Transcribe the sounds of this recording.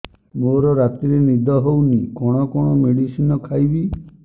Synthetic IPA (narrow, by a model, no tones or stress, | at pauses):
moɾɔɾat̪iɾenid̪ʱɔɦownikɔɽ̃ɔkɔɽ̃ɔmeɽisinɔkʰajbi